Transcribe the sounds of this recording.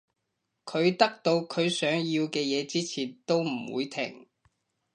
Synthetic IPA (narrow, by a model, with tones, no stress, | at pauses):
kʰɵ˨˧ɥt̪ɐ˥k̚t̪o˧wkʰɵ˨˧ɥsœː˨˥ŋjiː˧wkɛː˧jɛː˨˧t͡siː˥t͡sʰiː˨˩nt̪o˥wm̩˨˩wṵː˨˧jt̪ʰɪ̰˨˩ŋ